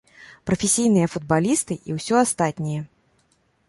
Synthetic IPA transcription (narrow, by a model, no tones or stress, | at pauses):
pɾɐfʲesʲijn̪ɨjɐfud̪̚balʲist̪ɨʔiwsʲɔast̪at̪ʲnʲijɛ